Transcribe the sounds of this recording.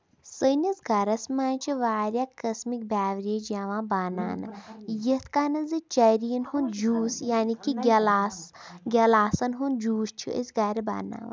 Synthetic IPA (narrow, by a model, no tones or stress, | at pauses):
sənizɡɐɾɐsmaːnt͡ʃʰiʋaːɾjaːkəsmik̚bʲaːʋɾid͡ʒaʋãːbaːna̰ːnɨjit̪ʰkaːnɨzɨt͡ʃɐɾijinhund͡ʒuːsjaːnikiɡʲɐlasɡʲɐlaːsɐnɦund͡ʒuːst͡ʃʰḭə̰sɡɐɾiba̰ːna̰ːʋ̰